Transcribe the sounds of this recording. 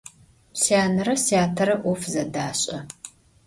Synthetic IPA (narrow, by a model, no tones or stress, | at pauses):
psjaːnɐɾɐsjaːtʰɐɾɐʔʷɔfzɐdaːɕʼɐ